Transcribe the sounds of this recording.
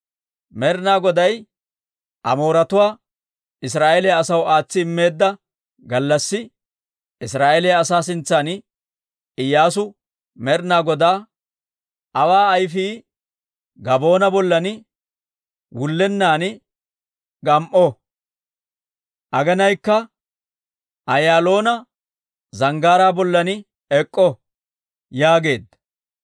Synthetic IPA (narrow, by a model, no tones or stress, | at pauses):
mɛɾnaːɡɔd̪ɐj | ʔɐ̰mo̞ːɾɐt̪ʊwaː | ɪs̬ɾaːʔelɛjɐːsɐwaːt͡sːɪɪmːeːd̪ːɐ | ɡɐlːɐsːɪ | ɪsɾaːʔelɛjɐːsaːs̬ɪnt͡sːan | ɪjːaːs̬ʊ | mɛɾnaːɡɔd̪aː | ʔɐwaːɐjfiː | ɡɐbo̞ːnɐbɔlːɐnɪ | wʊlːɛnːaːn | ɡɐmʔɔ | ʔɐɡɐnɐjkːɐ | ʔɐjaːlo̞ːnɐ | zɐŋɡaːɾaːbɔlːɐnɪ | ɛkʼːɔ | jaːɡe̞ːd̪ɐ